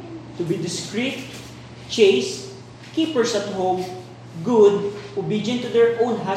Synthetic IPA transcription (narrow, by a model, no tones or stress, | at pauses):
t̪ʊbid̪ɪskɹit̪̚ | t͡ʃeɪs | kipəɹsat̪hom | ɡʊd̪̚ʔʊbid͡ʒə̃nt̪ud̪ɛɹʔõwnɦa